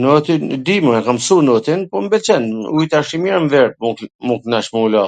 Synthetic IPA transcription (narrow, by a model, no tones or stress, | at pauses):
nɔt̪id̪imuɛkamsunɔt̪inpɔmbɛt͡ʃɛnuit̪aʃimiɾmvɛɾp̚ukmuŋknaʃmuulɔ